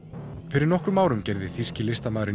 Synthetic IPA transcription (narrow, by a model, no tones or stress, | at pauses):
fɪɾɪɾnɔhkɾʏmaːwɾʏmcɛjɾðɪθiscɪlɪst̪amaːðɾɪ